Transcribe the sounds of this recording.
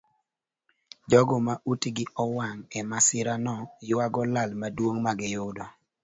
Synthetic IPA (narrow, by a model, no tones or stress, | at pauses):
d͡ʒɔɡɔmaʔutiɡɪʔɔwaŋɛmasɪɾanɔjʊaɡɔlalmadwoŋmaɡɪjʊdɔ